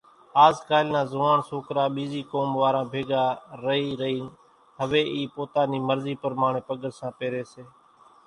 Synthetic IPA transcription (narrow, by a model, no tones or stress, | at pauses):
aːzkaːlnãːzʊʋaːɳsoːkɾaːɓiːziːkoːmʋaːɾãːbʱeːɡaːɾəɦiːɾəɦiːn | ɦəʋeːʔiːpoːt̪aːniːməɾziːpəɾmaːɳeːpəɠəɾsãːpeːɾeːseː